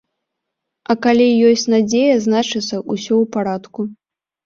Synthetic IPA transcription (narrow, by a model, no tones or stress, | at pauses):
ɐkalʲijɔsʲt͡sʲnad͡zʲejɐznat͡ʂɨt̪sɐʔusʲɔwpaɾat̪ku